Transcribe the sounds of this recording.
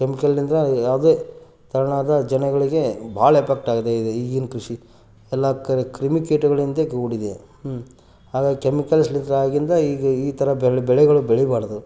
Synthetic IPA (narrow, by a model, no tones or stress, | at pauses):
kemikɐlːind̪ɾɐjaːʋd̪eː | t̪ɐɾɐɳaːd̪ɐd͡ʒɐnɐɡɐɭiɡe̞bʱaːɭɐepʰek̚ʈaːɡɐd̪eid̪eiːɡinkɾuʂi | ɛlːakːɐɾekɾimikeːʈuɡɐɭind̪eɡoːɽid̪e | haːɡaːɡikemikɐlslind̪ɾɐaːɡind̪ɐiːɡɐiːt̪ɐɾɐbɛɭbɛɭɛɡɐɭubɛɭibaːɽɐd̪u